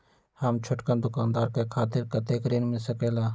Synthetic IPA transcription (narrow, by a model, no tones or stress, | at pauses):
haːmt͡ʃʰʊʈkənd̪ʊkaːnd̪aːɾkeːkʰaːt̪ɪɾkət̪eːkɾiːnmɪlsəkeːlaː